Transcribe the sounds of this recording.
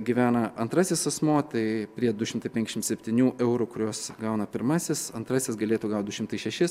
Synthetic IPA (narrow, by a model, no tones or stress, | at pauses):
ɡʲiʋʲæːnɐɐnt̪ɾɑːsʲɪsɐsmoːt̪ɐɪpʲɾʲiɛd̪ʊʃʲɪmt̪ɐɪpʲɛŋʲkʲɪʃʲɪmsʲɛpʲt̪ʲiːnʲuːʔɛʊɾuːkʊɾʲoːsɡɐʊnɐpʲɪɾmɑːsʲɪsɐnt̪ɾɑsʲɪsɡɐlʲeːt̪uːɡɐʊt̪̚d̪ʊʃʲɪmt̪ɐɪʃʲɛʃʲɪ